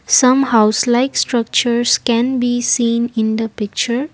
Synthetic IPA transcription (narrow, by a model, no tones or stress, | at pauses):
sʌ̃mhaʊslaɪksʈɾʌk̚t͡ʃəɾskɛ̃nbisĩːnɪ̃nd̪əpɪk̚t͡ʃəɾ